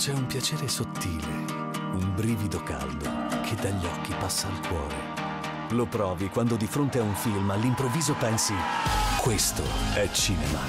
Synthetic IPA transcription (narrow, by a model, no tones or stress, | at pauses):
t͡ʃɛumpjat͡ʃeːɾesot̪ːiːle | umbɾiːvid̪oka̰ld̪okʰed̪ːaʎːiɔkːipasːaːlkwɔ̰ːɾḛ | lopɾɔːvikwand̪od̪ifɾont̪eauɱfilmalːimpɾovːiːzopɛnsikwest̪o̰ɛt͡ʃːiːnema̰